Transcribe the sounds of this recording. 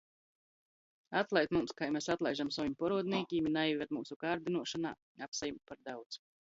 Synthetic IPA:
at̪lˠajt̪mumskajmɛsat̪lˠajʒamsavimʲpɔɾuɔd̪niɛkʲiːminajivʲɛt̪muːsukaːɾd̪inuɔʃana̰ː | apsajumpaɾd̪awt̪s

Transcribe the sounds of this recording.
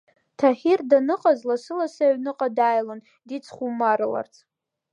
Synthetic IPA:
tʰaχʲirdanɨqʼazlasɨlasaɥnɨqʼadaːjlan | dit͡sʰχumaɾɨla̰rt͡sʰʼ

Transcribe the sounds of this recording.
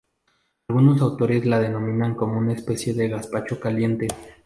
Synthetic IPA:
alɣuno̞sawt̪o̞ɾe̞zlað̞e̞nõ̞mĩnaŋko̞mo̞unaespe̞sje̞ðe̞ɣaspat͡ʃo̞kalje̞nt̪e̞

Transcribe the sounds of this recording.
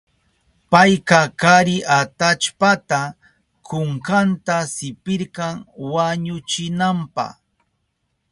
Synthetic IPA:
pajkakaɾɪʔat̪at͡ʃpat̪a | kʊɴkant̪asɪpɪɾkɑŋwaɲʊt͡ʃɪnampɑ̰χ

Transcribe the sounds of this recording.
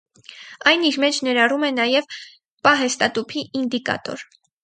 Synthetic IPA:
ɑjniɾmɛt͡ʃʰnɛɾɑrumɛnɑjɛv | pɑɦɛst̪ɑt̪upʰiʔind̪ikɑ̰t̪ɔ̰ɾ

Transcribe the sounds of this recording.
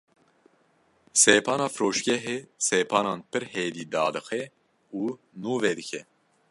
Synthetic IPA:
seːpʰɑːnɑːfɾoːʃɡɛɦeːseːpʰɑːnɑːnpɨɾheːd̪iːd̪ɑːd̪ɨxɛ | uː | nuːvɛd̪ɨkʰɛ

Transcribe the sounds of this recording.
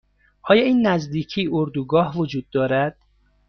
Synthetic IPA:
ʔɒːjɒːiːnːæzd̪iːcʰiːʔoɾd̪uːɡɒːhvod͡ʒuːd̪ːɒːɾæd̪̥

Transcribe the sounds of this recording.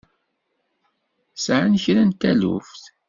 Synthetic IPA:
sʕənçɾænt̪ælṵfθ

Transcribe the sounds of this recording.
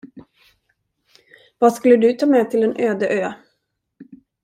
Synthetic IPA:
vɑːskɵlːəd̪ɵt̪ʰɑːmɛːt̪ʰɪlɛnʔøːd̪əʔøː

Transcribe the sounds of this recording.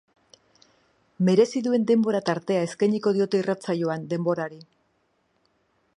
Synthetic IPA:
me̞ɾe̞siðue̞nd̪e̞mbo̞ɾat̪aɾt̪e̞ae̞skajɲiko̞ð̞io̞t̪e̞irat͡sajoand̪e̞mbo̞ɾaɾi

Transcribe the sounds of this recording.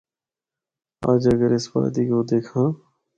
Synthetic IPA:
a̰ːd͡ʒəɡəɾɪsba̰ːt̪iːkoːd̪eːkʰãː

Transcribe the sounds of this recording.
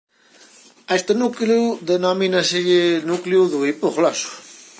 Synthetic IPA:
est̪ənukluðenɔminɐseʎenukliuðuipoχlɔsu̥

